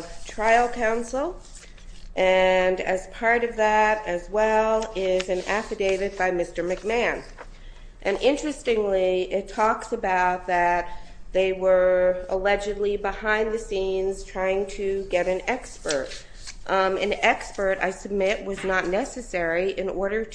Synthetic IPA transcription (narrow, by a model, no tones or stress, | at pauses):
ʌv̥tʰɹ̥aɪl̩ˠkʰãʊ̃nsl̩ˠ | ʔɨ̃nɨ̰z̥pʰɑɹɾʌvðəɾɨzwɛlˠɪzɨ̃næfɨdeɪɾɨd̚baɪmɪstə˞mɨk̚mæ̃n | ʔɨ̃nʔɪ̃nt͡ʃɹ̥ɨstɪ̃ŋliɪtʰɔksɨbaʊt̪̚ðɨt̪̚ðeɪwə˞əlɛd͡ʒɨdˡlibəhãɪ̃nðɨsĩnz̥tʰɹ̥aɪɪ̃ŋtʰɨɡɛɾɨ̃nɛkspə˞t̚ | ɨ̃nɛkspə˞ɾa̰ɪsɨb̚mɪʔ̚wʌznətⁿnɛsɨsɛɹiʔɨ̃nɔɹɾə˞ɾ